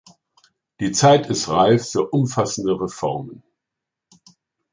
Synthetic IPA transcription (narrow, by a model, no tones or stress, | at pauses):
d̥iːt͡saɪtʰɪstʁaɪfːyːɐʔʊmfasn̩dəʁefɔ̰ɐmən